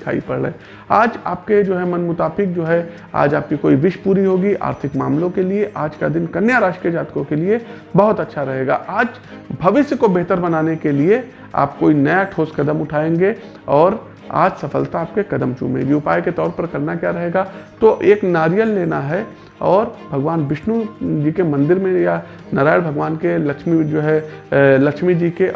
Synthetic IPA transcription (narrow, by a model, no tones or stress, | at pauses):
ɪkʰa̰ːḭpɐɽ̰ː | aːd͡ʒaːp̚ked͡ʒoːɦɛmɐnmʊt̪aːfɪk̚d͡ʒoːɦɛ | a̰ːd͡ʒaːp̚kikoːiʋɪʃpuːɾiɦoːɡiʔa̰ːɾt̪ʰɪkmaːmlõkelieʔaːd͡ʒka̰d̪ɪnkɐnjaɾaːʃʈied͡ʒaːt̪ɪ̥kõkelie | bɐɦʊt̪ɐtːʃʰaɾɐɦeːɡa̰ːʔaːd͡ʒ | bʱɐʋɪsjəkobeɦt̪əɾbɐnaːnekelie | a̰ːp̚koːinɐjaʈʰoːskɐd̪əmʊʈʰaːẽːŋɡe | ɔːɾ | a̰ːd͡ʒsɐfəlt̪aːp̚kekɐd̪əmt͡ʃṵ̃mḛ̃ɡiʊpaːjket̪ɔːɾpɐɾkɐɾnakjaɾɐɦeːɡat̪oʔeːknaːɾijəlːeːnaɦɛ | ɔːɾbʱɐɡʋaːnʋɪʃnud͡ʒiːkemɐ̃nd̪ɪɾmẽja | nɐɾaːɪɽbʱɐɡʋaːnkelɐkʃmid͡ʒoːɦɛlɐkʃmid͡ʒiːke